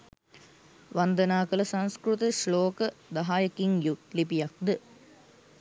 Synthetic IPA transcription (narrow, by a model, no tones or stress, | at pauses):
ʋɐnd̪ɐnaːkɐlɐsɐnskɾut̪ɐʃloːkɐd̪ɐɦaːjɐkiŋjulipijɐk̚d̪ə